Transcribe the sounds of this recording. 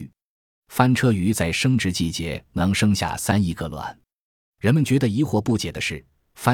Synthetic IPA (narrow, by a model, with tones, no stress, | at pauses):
fa˥nʈ͡ʂʰɤ˥y˧˥t͡sa˥˩ɪʂɤ˥ŋʈ͡ʂɻ̩˧˥t͡ɕi˥˩t͡ɕjɛ˧˥nɑ˧˥ŋʂɤ˥ŋɕja̰˥˩sa˥ni˥˩kə˧lwa̰˨˩˦n | ɻə˧˥nmə˨nt͡ɕɥɛ˧˥d̪ə˧i˧˥xwɔ˧˥˩pu˥˩t͡ɕjɛ˨˩d̪ə˦ʂɻ̩˥˩ | fa˥